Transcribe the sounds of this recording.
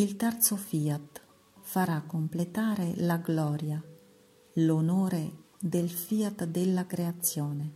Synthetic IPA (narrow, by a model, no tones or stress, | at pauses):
ilt̪ɛrt̪sofiːat̪ | faɾakːomplet̪aːɾelaɡlɔːɾja | lonoːɾe | d̪elfiːat̪d̪elːakɾeat̪sːjɔːne